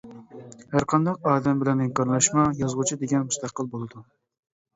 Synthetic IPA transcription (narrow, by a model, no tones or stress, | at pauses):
hæɾqʰɑnd̪ɑq̚ɑːd̪ɛmbɪlɛnɪŋkɑɾlˠɑʃmɑjɑzʁut͡ʃʰid̪eɡʲɛnmust̪ɑqːəlˠbolˠɨd̪u